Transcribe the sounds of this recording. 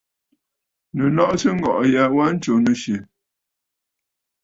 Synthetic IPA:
nə˨lɔ˦ʔsə˦ŋ̩˦ɡɔ̰˨ʔja˨wa˦n̩˦t͡ʃo˨nə˨ʃe˨

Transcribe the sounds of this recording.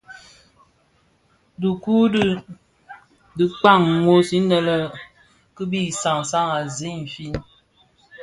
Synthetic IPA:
du˨ku˦ | di˨k͡pa˦˨ŋŋo˦si˦nə˦lə˦ | kə˦bi˦˨sa˨ŋ˨sa˦ŋa˨zi˦m̩˨fi˦n

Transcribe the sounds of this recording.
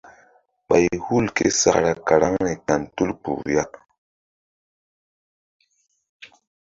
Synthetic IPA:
ɓa˨jhu˦˨lkḛ˦sa̰˨kɾa˨ka˨ɾa˦ŋɾe˨ka˨ntu˦lk͡pṵ˨ja˦

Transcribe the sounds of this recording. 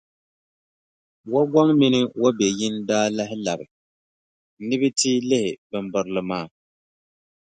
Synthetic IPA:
wa˦ɡʷa˦ŋmi˦nɨ˦wo˦bɛ˨jɪ˦ndaː˦la˦ɦɪ˦la˨bɨ˨˦ | nɨ˦bɨ˦tiː˦lɪ˦hɪ˨bɨ˨mbɨ˨ɾlɨ˨maː˦˨

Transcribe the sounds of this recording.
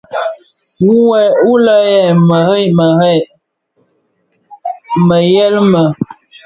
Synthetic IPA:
u˦wɛ˨u˦lə˦jɛ˨mə˨hə˦˨mə˨hɛ˦˨ | mə˨jɛ˦lmə˨

